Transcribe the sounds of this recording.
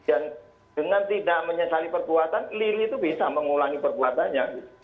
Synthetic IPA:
an | dəŋant̪idaʔməɲəsalipərbuat̪anliɾiːt̪ubisaməŋulaŋipərbuat̪anɲabit̪

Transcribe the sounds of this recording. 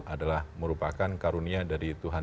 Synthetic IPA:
ʔadalahməɾupakankaɾuniadaɾit̪uɦa

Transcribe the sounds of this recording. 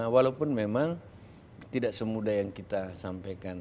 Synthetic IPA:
walawpʊnmemaŋ | t̪idaʔsəmudajaŋkit̪asampajkan

